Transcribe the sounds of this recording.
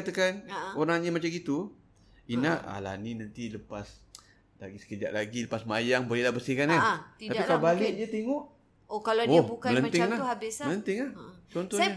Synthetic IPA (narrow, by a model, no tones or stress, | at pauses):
at̪əkanoɾaŋɲamat͡ʃaɡit̪u | inaʔa̰la̰ninant̪iləpas | la̰ɡisə̥kəd͡ʒa̰ʔlaɡiləpasmajaŋbəlilahbəsɪhkanat̪iaikabalɪʔd͡ʒət̪eŋɔʔ | okalaobumkalənt̪ɪŋlahabɪsmələnt̪ɪŋlaht͡ʃɔnt̪ɔa